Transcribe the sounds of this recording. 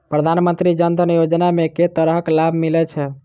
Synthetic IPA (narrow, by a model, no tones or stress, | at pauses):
pɾəd̪ʱanmə̃nt̪ɾid͡ʒənd̪ʱənijod͡ʒnameket̪əɾəɦəklabʱmilɛt͡ʃʰɛ